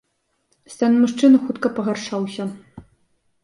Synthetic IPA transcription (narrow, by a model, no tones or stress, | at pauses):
st̪anmuʂt͡ʂɨnɨxut̪kɐpɐɣɐrʂawsʲɐ